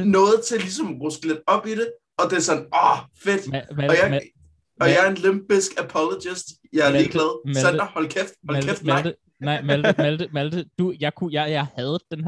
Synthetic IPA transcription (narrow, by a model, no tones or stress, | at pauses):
nɔ̽ːð̞̩ˠt͡sʰe̝lisɒ̽mʁɔsɡ̥led̥ɒ̽b̥iɾe | ɒ̽d̥e̝ɐsɒ̽nɒfed̥mæɒjɑ | ɒ̽jɑæɐe̝nlemb̥isɡ̥æpʰɒlod̥isd̥ | jɑ̈æɐliːɡd̥lɛð̞ˠmæɒndhɒ̽lkʰefd̥ɒlælefd̥mælɪd̥ə | nɑɪ̰mældəmæld̥əmæld̥əd̥ujɑ̈ɪkʰujɑɪjɑ̈ɪhæð̞ˠd̥enɦ